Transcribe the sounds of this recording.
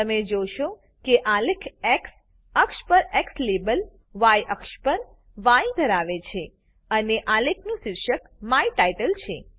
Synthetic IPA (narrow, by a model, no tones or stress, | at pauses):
t̪əmed͡ʒoʃo | keʔalekʰɛks | əkʃpəɾɛkslebəl | ʋajʔəkʃpəɾ | ʋaid̪ʱəɾaʋet͡ʃʰe | əneʔalekʰnũʃɪɾʃək | maiʈaiʈəlt͡ʃʰe